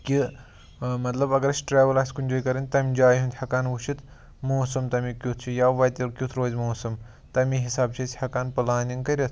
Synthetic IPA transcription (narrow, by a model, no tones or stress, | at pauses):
kʲi | mɐt̪lɐbɐɡɐɾɐsʲʈɾaːʋɐlaːsʲkunʲd͡ʒoːjkɐɾɨnʲt̪ɐmʲd͡ʒaːjɦunʲt̪ʰʲhɐkaːnʋuʃit̪ | moːsɐmt̪ɐmikʲut̪ʰt͡ʃʰijaːʋɐjt̪ʲiɾkʲut̪ʰɾoːzʲmoːsɐm | t̪ɐmiɦisaːbt͡ʃʰit͡sʲhɐkaːnpɐlaːniŋkɐɾʲɐt̪ʰ